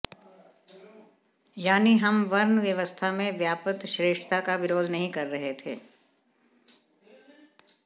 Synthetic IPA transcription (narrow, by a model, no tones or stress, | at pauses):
jaːniɦɐmʋɐɾnʋjɐʋəst̪ʰamẽʋjaːpət̪ʃɾeːʃʈt̪ʰakabɪɾoːd̪nɐɦĩkɐɾːɐɦet̪ʰḛː